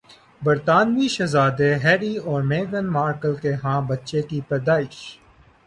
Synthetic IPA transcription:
bɐɾt̪aːnʋiʃɐzaːd̪eɦɛːɾiɔːɾmeːɡənmaːɾkəlkeɦãːbɐtːʃekipɛːd̪aːɪʃ

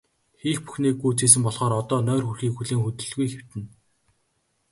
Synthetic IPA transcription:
xiːxpu̥xniːkːuːt͡seːs̬ɘ̆mpɔɮχɔːɾɔt̪ɔːnœːrxurxiːkxuɮeːŋxɵt̪ɵ̆ɮɣujxew̥t̪ɘ̆n

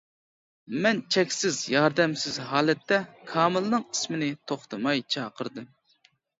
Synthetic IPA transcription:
mɛnt͡ʃʰɛkʲsɪzjɑɾd̪ɛmsɪzɦɑːlɛt̪ːɛkʰɑːmɨlˠnɨŋi̥smɪnɪt̪ʰoχt̪ʰɨmɑjt͡ʃʰɑːqʰəɾd̪ɨm

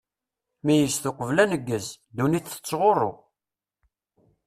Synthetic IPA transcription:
mijəsθʊqəvlænəɡːəz | d̪uniθə̥t͡sːʁorˤo

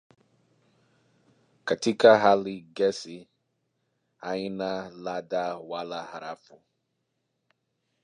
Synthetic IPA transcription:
katikaɦalɪɡɛsi | aɲɪnaladawalaɦaɾafʊ

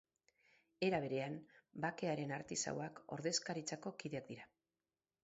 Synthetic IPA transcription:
e̞ɾaβ̞e̞ɾe̞ambake̞aɾe̞naɾt̪isa̰wako̞̰ɾðe̞skaɾit͡sako̞kiðeak̚d̪iɾa

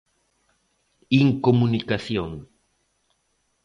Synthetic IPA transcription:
iŋkomunikaθjõŋ

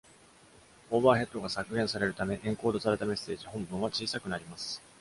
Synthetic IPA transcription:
oːbaːɦe̞t̪ːo̞ɡasakɯ̟ɾẽ̞ɰ̃saɾe̞ɾɯ̟t̪ame̞ʔẽ̞ŋko̞ːd̪o̞saɾe̞t̪ame̞sːe̞ːʑihõ̞mbɯ̃ɰ̃βat͡ɕiːsakɯ̟naɾʲimasɨ̥

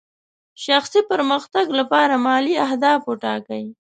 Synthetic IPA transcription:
ʃaxsipəɾməxt̪aɡlapɑɾamɑliahd̪ɑfoʈɑ̰kaji

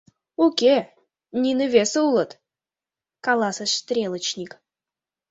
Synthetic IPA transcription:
okʲe | nʲinɨvʲesəulˠət̪ | kɑlˠɑsəʂst̪ɾʲelˠət͡ɕnʲik

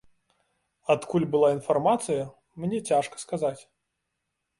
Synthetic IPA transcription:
at̪kʰulʲbɨlˠainfarmat̪sɨjɐ | mnʲɛt͡sʲaʂkɐ̥skazat͡sʲ

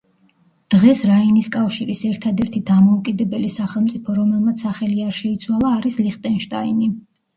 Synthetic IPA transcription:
d̪̥ʁɛsɾainiskʼafʃiɾisɛɾt̪ʰad̪ɛɾt̪ʰid̪amɔukʼid̪ɛbɛlisaχɛlˠmt̪sʼipʰɔɾɔmɛlˠmat̪ssaχɛliaɾʃɛit̪sʰwalˠaːɾisliχt̪ʼɛnʃt̪ʼaini

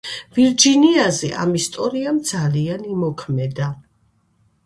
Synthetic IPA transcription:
viɾd͡ʒiniazɛʔa̰mist̪ʼɔɾiamd̪zalianimɔkʰmɛd̪a

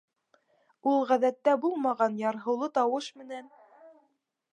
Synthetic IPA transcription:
ulˠʁæðæt̪ːæbulˠmɑʁɑnjɑɾɦɤ̆wlˠɤt̪ɑwɤʃmɘ̆næn

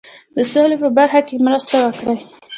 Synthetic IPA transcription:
d̪əsolepəbaɾxakemɾəst̪awəkɽaj

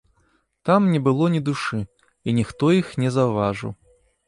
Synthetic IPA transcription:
t̪amnʲɛbɨlˠɔnʲid̪uʂɨ | inʲixt̪ɔjixnʲɛzɐwvaʐɨ̰w

